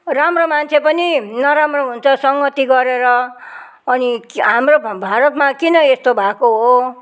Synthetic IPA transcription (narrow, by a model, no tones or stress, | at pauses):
ramromant͡sʰepʌninʌɾamroɦunt͡sʰʌsʌŋɡʌt̪iɡʌɾeɾʌː | niɦamrobʱaɾʌt̪makinʌest̪obʱakoɦo